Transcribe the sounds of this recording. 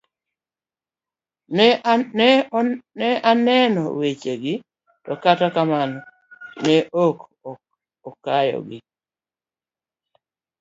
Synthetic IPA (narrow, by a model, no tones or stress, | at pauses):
nɛʔanɛnɔ̰wet͡ʃeɡɪ | tɔkatakamanɔ | nɛʔok | ɔkajɔ̰ɡɪ